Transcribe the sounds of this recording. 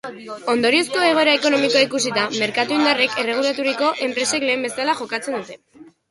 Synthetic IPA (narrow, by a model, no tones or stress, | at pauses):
o̞nd̪o̞ɾio̞sko̞e̞ɣ̞o̞eɾaeko̞no̞mikoikusit̪ame̞ɾkat̪uind̪are̞ke̞re̞ɣ̞ulat̪uɾiko̞ʔe̞mpɾe̞se̞kle̞ːmbe̞salaxo̞kat͡se̞nd̪ut̪e̞